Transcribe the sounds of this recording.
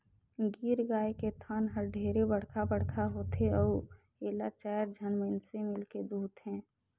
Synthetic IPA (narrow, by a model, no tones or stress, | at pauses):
ɡiːɾɡaːeket̪ʰaːnɦəɾɖʱeːɾebəɽ̤kʰabəɽ̤kʰaɦoːt̪eɔː | eːlat͡ʃaːjəɾd͡ʒʱənmensemɪlked̪uːd̪ɦɛ̃ː